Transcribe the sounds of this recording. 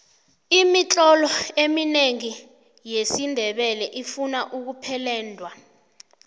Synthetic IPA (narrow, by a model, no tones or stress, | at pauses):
imit͡ɬʼɔlɔemineŋi | jesindʱɛɓɛlɛʔifunaʔuk̬upʰɛlɛːndʱwa